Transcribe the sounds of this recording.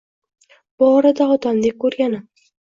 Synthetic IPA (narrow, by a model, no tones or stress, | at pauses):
b̥ɒɾad̪aɒd̪amd̪ek̚ʲkʰːɵɾɡʲanɪm